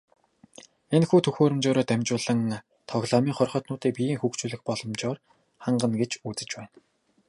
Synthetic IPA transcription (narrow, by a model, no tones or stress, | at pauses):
enxuːt̪ʰɵxoːɾɵ̆mt͡ɕoːɾoːt̪æmʲt͡ɕʊːɮə̆ŋ | t̪ʰɔɣɮaːmiːŋχɔrχɞ̆t̪nʊːt̪iːk̚pijiːŋxukt͡ɕuːɮɵ̆xpɔɮɞ̆mt͡ɕɔːr | χaɴɢə̆nɡet͡ɕuːt͡sɘ̆t͡ɕpæːn